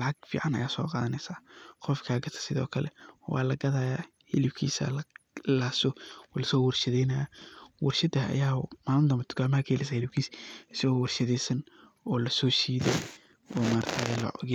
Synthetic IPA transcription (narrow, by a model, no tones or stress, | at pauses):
lɑʕɑɡfḭːʕɑnɐ̰jaːsɔ̰ːqɑːðɐnɛsaːqɔfkʰaːɡɐt̪ʰɐ̥sɪðɔ̰ːkʰɐlɛ̰wɑ̰ːlɐɡɐðaːjaː | hɪlɪbkʰḭːsɐ̰laːsɔɔːlɐsɔːwʊrʃɐðɛjnɐjawɐrʃɐd̪ɐɐ̰jaːmaːlnd̪ɐmɐt̪ʰʊ̥kʰaːmɐhɐkʰɐhɛlɛɪs̬ahɪlɪbkʰiːsɪsɐɣɔːwɑrʃɐðɛjsɐn | ɔːlɐsɔːʃiːðɛ̰ | ɔːmaːɾt̪ʰɐɣɐlɐ̰ɣɪ